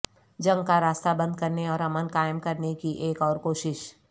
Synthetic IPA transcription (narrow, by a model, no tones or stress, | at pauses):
d͡ʒɐ̃ŋɡkaɾaːst̪abɐ̃nd̪̚kɐɾneɔːɾɐmənkaːɪəmkɐɾnekiʔeːkɔːɾkoːʃɪʃ